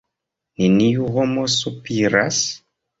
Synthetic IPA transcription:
nenijuɣomosupiɾas

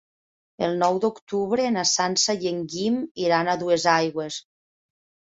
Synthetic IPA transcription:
elˠnɔwd̪ukt̪uβɾenasansajeŋɡimiɾanaðuezajɣwes

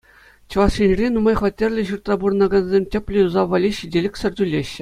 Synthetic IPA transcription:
t͡ɕɤ̆ʋɑʂinʲrʲenumɑjχʋɑtʲːerʲlʲɘ̆ʑurt̪rɑbuɾɤ̆nɑɡɑnzʲemʲtʲɘ̆pʲlʲɘ̆uzɑʋɑlʲiɕidʲelʲɘ̆kʲsʲɘ̆rʲdʲylʲːeɕːɘ̆

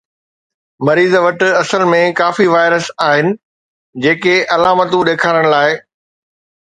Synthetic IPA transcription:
mɐɾiːzʋɐʈɐsəlmẽkaːfiʋaːɪɾəsaːɦɪnɪ̆ | d͡ʑeːkeʔɐlaːmət̪ũɗeːkʰaːɾəɽ̃laːɪ

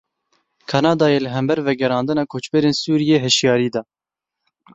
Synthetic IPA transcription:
kʰɑnɑːd̪ɑːjeːlɨɦɛmbɛɾvɛɡɛɾɑːnd̪ɨnɑːkʰoːt͡ʃbɛɾeːnsuːɾijeːɦɛʃjɑːɾiːd̪ɑ

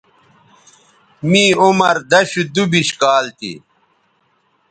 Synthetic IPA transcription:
mĩːumɐɾd̪ɐɕud̪ubiɕkaːlt̪ḭ

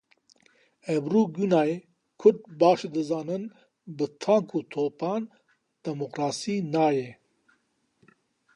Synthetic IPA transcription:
ebɾuːɡunaːe | kʰʊʈ̚baːʃd̪ɨzaːnɨn | bɨt̪ʰaːŋkuːt̪ʰoːpɑːn | d̪̥ɐmoqɾaːsiːnaːje

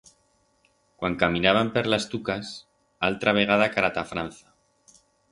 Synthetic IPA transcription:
kwaŋkamĩnaβampeɾlast̪ukas | alt̪ɾaβ̞e̞ɣ̞aðakaɾat̪afɾan̟θḁ

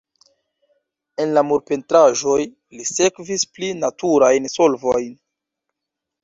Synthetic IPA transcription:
e̞nlamuɾpe̞ntɾaʒo̞j | lise̞kvisplinatʰuɾajnso̞lvojn

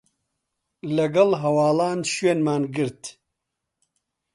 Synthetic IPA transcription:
lɐɡɐlɦɐwaːlaːnʃɥeːnmaːnɡɨɾt̪

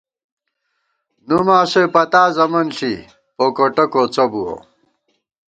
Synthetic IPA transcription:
numaːɕepɐt̪aːzɐmɐnɬḭ | pokoʈɐkot͡sɐbuo̰

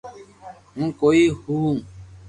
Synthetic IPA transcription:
ɦũːkoːiːhuː

